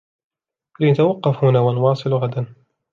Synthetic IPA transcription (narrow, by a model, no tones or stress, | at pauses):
lɪnat̪awɑqːɑfhʊnaːwanʊwɑːsˤɨlɣad̪an